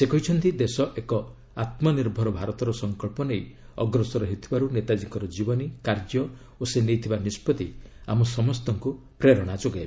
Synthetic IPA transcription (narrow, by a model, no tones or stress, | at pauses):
sekɔɦit͡ʃʰɔnt̪id̪esɔʔekɔ | at̪mɔniɾbʱɔɾɔbʱaɾɔt̪ɔɾɔsɔŋkɔɭpɔnej | ɔɡɾɔsɔɾɔɦet̪ʰibaɾunet̪ad͡ʒikɔɾɔd͡ʒibɔnikaɾd͡ʒɔ | osenejt̪ʰibanispɔt̪iamɔsɔmɔst̪ɔŋku | pɾeɾɔɽ̃ad͡ʒoɡeb